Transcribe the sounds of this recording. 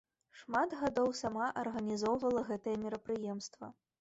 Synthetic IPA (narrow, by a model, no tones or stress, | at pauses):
ʂmat̪ɣad̪ɔwsamaʔɐrɣɐnʲizɔwvɐlˠɐɣɛt̪ɐjɛmʲɛɾɐpɾɨjɛmst̪vɐ̰